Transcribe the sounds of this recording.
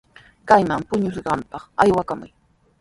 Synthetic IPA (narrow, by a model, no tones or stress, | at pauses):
kajmampʊɲʊsɢɑmpɑχajwakamʊj